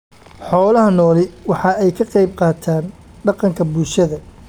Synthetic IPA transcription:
ħɔːlɐɦɐnɔːlɪwɑħɑɛjkʰɐqɑjb̚qɑːt̪ʰaːn | ɖɑqɑŋkʰɐbʊlʃɐðɐ

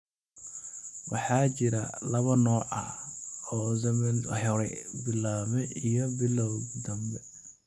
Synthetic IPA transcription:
wɑħɑːt͡ʃɪɾɐ̰lɐβɐnɔːʕɐ̰ɔːsɛmɛnɐ̰ħɔɾɛbɪlːaːmɛijɔbɪlːɔwd̪ɐmbɛ

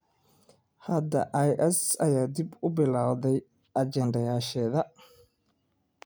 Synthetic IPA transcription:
hɐd̪ɐ̰ʔajʔɛsɐjaːd̪ɪbʊbɪlaːwðɛj | ʔɐd͡ʒɛnd̪ɐjaːʃɛːðɐ

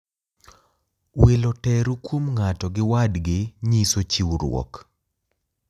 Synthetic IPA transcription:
welotɛɾukwomŋatɔɡɪwadɡɪɲisot͡ʃiwɾw̰ɔ̰k

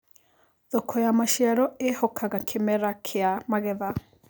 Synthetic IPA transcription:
ðokʰɔjamaʃiaɾɔehɔkʰaɣakʰemɛɾakʰeamaɣɛða

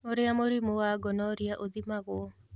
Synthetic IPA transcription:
oɾɪamoɾimowaɡɔnɔɾɪaʔod̪imaɣɔ

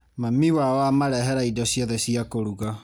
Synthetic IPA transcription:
mamiwawamaɾɛɦɛɾaidɔsijɔðɛsiakoɾuɣa

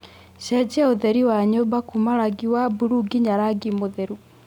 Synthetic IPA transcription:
ɕɛd͡ʑɛaoðɛɾiwaɲobakumaɾaɡiwabuɾuɡiɲaɾaɡimoðɛɾu

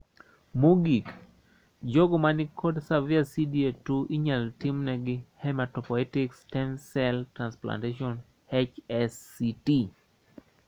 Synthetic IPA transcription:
muɡik | d͡ʒoɡɔmanɪkʰɔdsaviasidietuʔiɲaltimnɛɡɪhɛmatɔpɔlɛtikstɛnsɛltɾanspla̰nteʃɔn | hɛt͡ʃɛsːiti

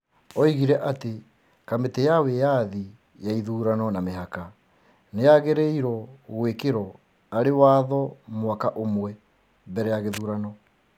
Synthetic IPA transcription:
ɔiɣiɾɛʔate | kametɛjawejaði | jaiðuːɾanɔnameɦaka | nejaɣeɾɛiɾɔɣwekeɾɔ | aɾewaðɔmwakaʔomwɛ | bɛɾɛjaɣeðuːɾanɔ

